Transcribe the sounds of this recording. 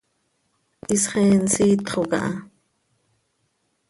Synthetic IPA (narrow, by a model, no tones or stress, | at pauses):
ʔisχɛːnsiːt̪χoka̰ʔɑ